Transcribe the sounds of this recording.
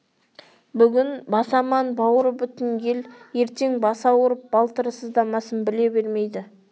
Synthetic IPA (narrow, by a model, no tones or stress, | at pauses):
bʏɡʲɪnbɑsɑmɑnbɑwəɾəbʏt̪ɪŋɡʲe̞lje̞ɾt̪e̞ŋbɑsɑwʊɾəp̚b̥ɑlˠt̪əɾəsəzd̪ɑmɑsənbɪle̞beɾme̞jd̪ɪ